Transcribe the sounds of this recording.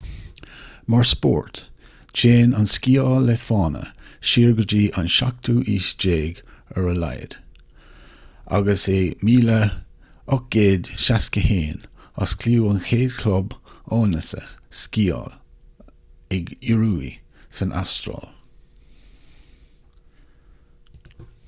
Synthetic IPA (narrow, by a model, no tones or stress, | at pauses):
məɹspɔ̰ːɹt | t͡ʃʰeːnanskiːɔːləfɑːnə̰ʃiːɹɡəd͡ʒiːʔanʃak̚t̪ʰuːʔiːsd͡ʒeːɡɛɹəla̰jə̰d̪̥ | a̰ɡəsemiːlə | ɔk̚ɡ̥eːd̪ʃaskəheːna̰skʰluːənxeːdkʰlɔbɔːnəsə̰skiːɔ̰l | ɛɡiɹuːḭsənʔa̰stɾɔ̰ːl